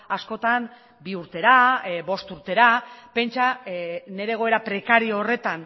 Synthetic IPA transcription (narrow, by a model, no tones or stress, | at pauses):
asko̞t̪an | biuɾt̪e̞ɾaβo̞st̪uɾt̪e̞ɾape̞nt͡ʃane̞ɾeɣ̞o̞e̞ɾapɾe̞kaɾioːre̞t̪an